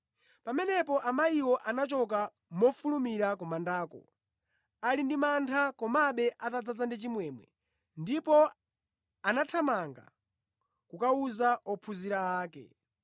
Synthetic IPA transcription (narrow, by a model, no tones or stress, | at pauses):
pamɛnɛpɔʔamaiwɔʔanat͡ʃɔk̬a | mɔfulumiɾakɔmandaːkɔ̰ | alindimantʰakɔmaɓɛʔatad͡zad͡zandit͡ʃimwɛːmwɛ̰ | ndipɔ | anatʰamaŋɡa̰ | kukauzaʔɔpʰuziɾaaːkɛ̰